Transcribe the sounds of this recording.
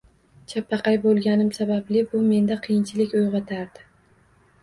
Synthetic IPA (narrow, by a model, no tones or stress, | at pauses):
t͡ʃʰapʰːɑqʰɑjbolˠɡʲanɪmsabablɪbʊme̞nd̪aqʰɨjɪnt͡ʃʰɪlɪkʲojʁɑt̪ʰaɾd̪ɪ